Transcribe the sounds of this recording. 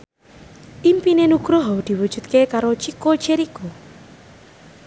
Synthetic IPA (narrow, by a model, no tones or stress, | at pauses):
ʔimpinenuɡ̥ɾoɦɔwd̪̥i̤wud̥ʒ̥ṳt̪̚kekaɾot͡ʃiko̥t͡ʃeɾiko